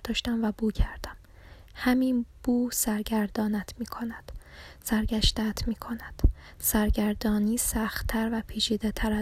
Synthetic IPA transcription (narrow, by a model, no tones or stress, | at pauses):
d̪̥ɒːʃt̪æmvæbuːcʰæɾd̪̥æm | hæminb̥uːsæɾɟæɾd̪ɒːnæt̪ʰmiːkʰo̞næd̪̥sæɾɟæʃt̪æt̪ʰmiːkʰo̞næd̪̥ | sæɾɟæɾd̪ɒːniːsæxt̪t̪ʰːæɾvæpʰiːt͡ʃʰiːd̪et̪ʰæɾæ